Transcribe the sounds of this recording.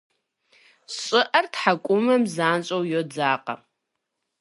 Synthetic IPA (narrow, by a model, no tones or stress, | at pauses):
ɕʼɪʔɐrtħakʷʼʊmɐmzaːnt͡ʃʼowjod͡zaːqʼɐ̰